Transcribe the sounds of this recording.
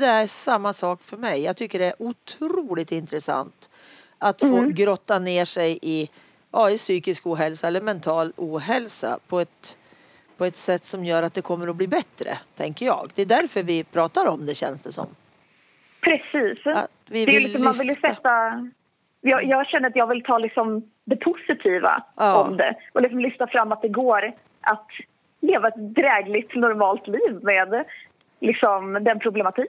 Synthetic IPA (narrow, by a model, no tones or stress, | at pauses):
d̪ɛæʂamːasɑːkfœɾmɛjːɑːɡt̪ʰʏkːəɖɛæɾʔʊt̪ʰɾuːlɪt̪ɪnt̪ɾəsa̰nt̪ | at̪ffoːɡɾɔt̪ːaneːʂɛjʔɪ | ʔɑːɪsyːkɪskuːɦɛlsaɛlːəɾmɛnt̪ʰɑːluːɦɛlsa̰pʰɔɛt̪ | pʰɔɛt̪sɛt̪ːsɔmjœːɾat̪̚d̪ɛkʰɔmːəɾɔbliːbɛt̪ɾə̰t̪ʰɛŋkəɾjɑ̰ːɡd̪ɛd̪æɾfœɾvɪpʰɾɑːt̪aɾɔmd̪ɛɕɛ̰nsd̪ɛsɔ̰mː | pʰɾɛsiːs | vɪd̪ɛlɪsɔmːanvɪljəsɛt̪ːa | jɑjɑːɡɕɛnːəɾat̪jɑːɡvɪlt̪ʰɑːlɪksɔm | d̪ɛpʰʊsɪt̪ʰiːva̰ːɔmd̪ɛ̰ʔɔlɪks̬ɔmlʏft̪afɾamːat̪̚d̪ɛɡoːɾ | ʔat̪ | leːvaɛt̪d̪ɾɛːɡlɪt̪nɔɾmɑːlt̪liːvmeːd̪ | lɪksɔmd̪ɛnpʰɾʊblɛmat̪ʰiː